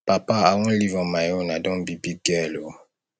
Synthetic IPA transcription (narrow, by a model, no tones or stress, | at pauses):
papaaŋũlivɔmajonadɔ̃bibiɡɛlo